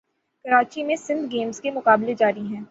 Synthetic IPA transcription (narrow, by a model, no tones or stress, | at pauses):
kɐɾaːt͡ʃimẽsɪ̃nd̪ʱɡeːmzkemʊkaːbled͡ʒaːɾiɦɛ̃ː